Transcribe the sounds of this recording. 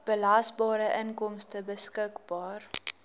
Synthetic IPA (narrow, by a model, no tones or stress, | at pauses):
b̥əlɐsbɑːɾəʔənkɔmstəbəskəkbɑːr